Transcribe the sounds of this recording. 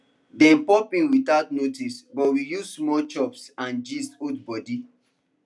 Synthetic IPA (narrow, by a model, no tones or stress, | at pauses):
dɛ̃npɔpĩnwitaʊtnotisbɔtwijuzsmɔt͡ʃɔpsãnd͡ʒisodbɔdi